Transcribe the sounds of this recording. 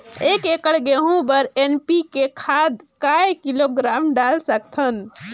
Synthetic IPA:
ekekəɽɡeɦũbəɾenpikekʰad̪kaekiloɡɾamɖalsək̚t̪ʰən

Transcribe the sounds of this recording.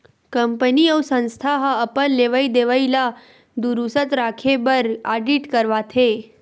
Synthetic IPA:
kəmpəniəwsə̃nst̪ʰaɦəəpənleʋaid̪eʋaila | d̪uɾusət̪ɾakʰebəɾaɖiʈkəɾʋat̪ʰe

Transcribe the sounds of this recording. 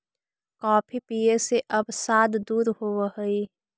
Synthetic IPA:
kaːpʰipijeseʔəbsaːd̪d̪uːɾɦoːhəi

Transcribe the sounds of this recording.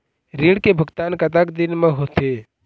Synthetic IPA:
ɾiːɽkebʱʊɡt̪aːnkət̪akd̪ɪnmẽɦoːt̪eː

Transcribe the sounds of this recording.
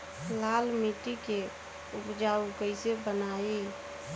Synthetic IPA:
lalmiʈike | upd͡ʒaukəɪsebənai

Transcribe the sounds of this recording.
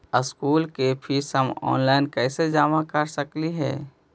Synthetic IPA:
əskuːlkepʰisɦəmɔ̰ːnlaːɪnkɛːsed͡ʒaːmakəɾsəkliɦɛ̰ː

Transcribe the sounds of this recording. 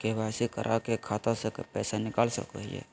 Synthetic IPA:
kebʱaːsikəɾʔakekʰaːt̪ãsekpɛːsanɪkaːlsə̰kəɦḭjḛː

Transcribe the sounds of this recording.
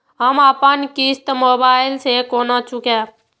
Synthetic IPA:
ɦəmaːpənkist̪moːbaːɪlsekoːnat͡ʃʊkẽ

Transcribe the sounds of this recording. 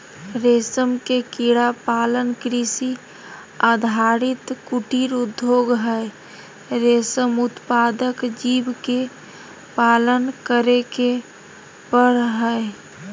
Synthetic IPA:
ɾeːsəmkekiɽapalənkɾisi | ad̪ʱaɾit̪kuʈiɾud̪ʱjoɡɦəe | ɾesəmʊt̪pad̪əkd͡ʒibke | palənkəɾeke | pəɾɦəe

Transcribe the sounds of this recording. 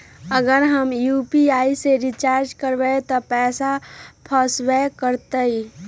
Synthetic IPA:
əɡəɾɦəmjuːpiaːiseɾit͡ʃaːɾd͡ʒkəɾwet̪ɔpɛːsapʰəswekəɾt̪əi

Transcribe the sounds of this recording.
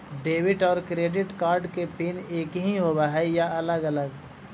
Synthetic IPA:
ɖeːʋɪʈɔːɾkɾeːɖɪʈkaːɾɖkepɪneːkɦĩɦoːwaɦɛjaɐləɡələɡ

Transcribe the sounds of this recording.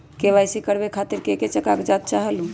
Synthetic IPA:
kebajsikəɾbekʰat̪iɾkeket͡ʃəkakd͡ʒat̪̚t͡ʃaɦəlũ

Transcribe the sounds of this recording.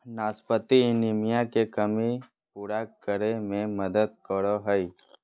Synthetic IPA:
naːspət̪inimɪjãkekəmi | puɽakəɾemẽməd̪əd̪̚kəɾoɦəj

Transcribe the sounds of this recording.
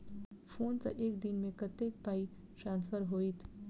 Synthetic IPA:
fʰoːnsa̰ʔeːkd̪ɪnmẽkɐt̪ek̚paːi | ʈɾãːnsfəɾɦoːit̪ʰ

